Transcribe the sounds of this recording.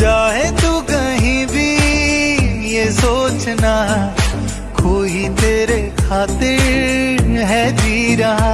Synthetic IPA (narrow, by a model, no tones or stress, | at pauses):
d͡ʒaːɦet̪ukɐɦĩbʱi | jesoːt͡ʃna | kʰoːɦit̪eːɾekʰaːt̪ɪɾ | ɦɛd͡ʒiːɾaː